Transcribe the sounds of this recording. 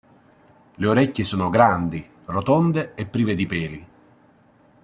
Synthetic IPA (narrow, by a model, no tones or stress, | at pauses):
leoɾɛcʲːesoːnoɡɾand̪i | rot̪ond̪eepːɾiːved̪ipɛːli